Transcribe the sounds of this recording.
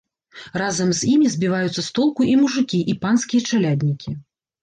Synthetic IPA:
razɐmzʲimʲizʲbʲivajut̪sːɐst̪ɔlˠkuʔimuʐɨkʲiʔipanskʲijɐt͡ʂalʲad̪ʲnʲikʲi

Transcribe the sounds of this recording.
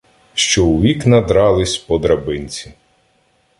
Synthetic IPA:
ʃt͡ʃɔʊʋʲiknɐd̪ɾɑlˠɪsʲpɔd̪ɾɐbɪnʲt͡sʲi

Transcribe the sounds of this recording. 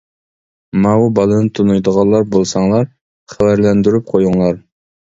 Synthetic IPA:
mɑwubɑlˠɨnɨt̪ʰunujd̪əʁɑlˠːɑɾbolˠsɑŋlˠɑɾ | χɛwæɾlɛnd̪yɾyp̚qʰojuŋlˠɑɾ

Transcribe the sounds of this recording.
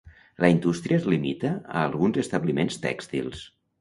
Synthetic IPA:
ləind̪ust̪ɾiəzlimit̪əəːlˠɣunzəst̪əβlimenst̪ɛ̰kst̪ḭlˠs

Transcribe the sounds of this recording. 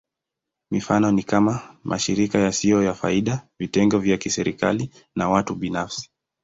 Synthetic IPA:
mifanɔnikamamʔa̰ʃiɾikajasijɔjafa̰iɗavitɛŋɡɔvjakisɛɾḭka̰li | nawatuɓinafsi̥

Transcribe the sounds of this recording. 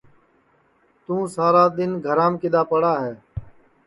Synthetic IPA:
t̪ũːsaːɾaːd̪ɪnɡʱəɾãːmkɪd̪aːpəɽaːɦɛː

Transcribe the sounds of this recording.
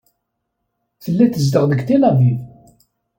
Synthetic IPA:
θəlːæθəzd̪əʁðəɡt̪ilævið

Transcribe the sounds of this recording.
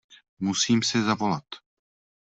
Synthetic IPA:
musiːmsɛzavo̞lat̪

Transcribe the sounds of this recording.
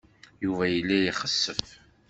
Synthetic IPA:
juvæjəlːæjiχəsːəf

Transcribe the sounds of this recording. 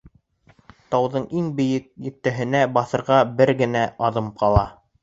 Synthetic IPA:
t̪ɑwðɤɴiŋbɘ̆jɘk̚jɘ̆k̚t̪ːæɦɘ̆næbɑθɤ̆ɾʁɑbɘɾɡɘ̆næʔɑðɤmqɑlˠɑ

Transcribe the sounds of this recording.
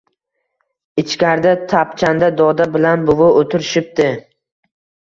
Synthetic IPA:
ɪt͡ʃkʲaɾd̪at̪ʰapt͡ʃʰand̪ad̪ɒd̪abɪlanbʊvʊot̪ʰɪɾɪʃɪp̚d̪ɪ

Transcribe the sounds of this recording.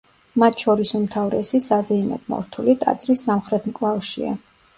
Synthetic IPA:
mat̪ʰʃɔɾisumt̪ʰavɾɛ̰sisazɛimɛ̰t̪ʰmɔ̰ɾt̪ʰulit̪ʼa̰t̪sʼɾisːamχɾɛt̪ʰmkʼlˠavʃḭa̰

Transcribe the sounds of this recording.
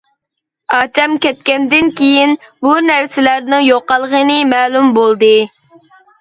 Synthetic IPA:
ɑːt̪ʰɛmkʲɛt̪̚kʲɛnd̪ɪnkʲʰejinbunæɾsɪlæɾnɪŋjoqɑlˠʁənɨmɛːlˠumbolˠd̪ɨ

